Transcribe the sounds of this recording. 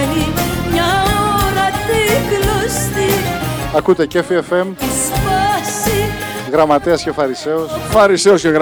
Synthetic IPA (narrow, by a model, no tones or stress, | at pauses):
limɲɐoɾɐt̪iɡlost̪iɐkut̪e̞cefiefe̞mt̪ispɐsiɣɾɐmɐt̪iɐsce̞fɐɾise̞osfɐɾiseosceɣ